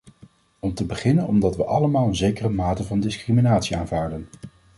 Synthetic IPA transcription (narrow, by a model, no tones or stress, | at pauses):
ɔmtəbəχɪnənɔmdɑtʋəʔɑləmaːlˠənzejkərəmaːtəvɑndɪskriminaːtsiaːnvaːɹdən